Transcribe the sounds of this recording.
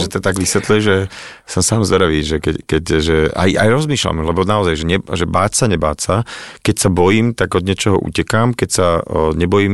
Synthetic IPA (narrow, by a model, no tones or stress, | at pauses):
ʒɛt̪ɔt̪aɡʋisʋɛt̪lujɛʒɛ | sɔmsaːmzɔɾaʋiːʒɛkɛckɛcʒɛa̰ja̰jɾɔzmiːʃla̰mlɛbɔnaɔzajʒɛɲɛʒɛbaːcsaɲɛba̰ːcsakɛcsabɔjiːmt̪aɡɔd̪ɲɪɛt͡ʃɔɦɔʔṵcɛkaːmkɛcsaɲɛbɔjiːm